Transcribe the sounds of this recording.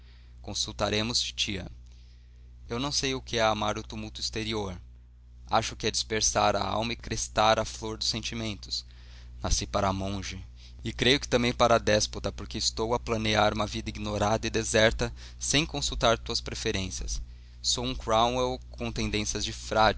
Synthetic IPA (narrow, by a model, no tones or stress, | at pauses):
kõsuwt̪aɾẽmʊst͡ʃi̥t͡ʃiɐ̰ | ewnɐ̃w̃sejʊkɪɛamaɾʊt̪umuwt̪ʊist̪eɾioɾ | a̰ʃʊkɪɛd͡ʒispeɾsaɾɐ̰a̰wmɐɪkɾest̪aɾɐfloɾd̪ʊsːẽnt͡ʃimẽnt̪ʊ̥s | nasipaɾɐamõʒɐ | ɪkɾejʊkɪ̥t̪ɐ̃mbẽj̃paɾɐad̪ɛspot̪ɐpoɾkeɪst̪owɐplɐneaɾũmɐvid̪ɐiɡinoɾad̪ɐɪd̪ezɛɾt̪ɐ | sẽj̃kõsuwt̪aɾt̪uɐspɾefeɾẽsiɐ̰sː | owũkɾaw̃ewkʰõt̪ẽd̪ẽsjɐzd͡ʒɪfɾad͡ʒ